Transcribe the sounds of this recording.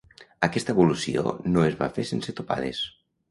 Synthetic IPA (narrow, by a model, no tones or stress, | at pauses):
əkɛst̪əβulusio̰noezβa̰fesenset̪opa̰ð̞es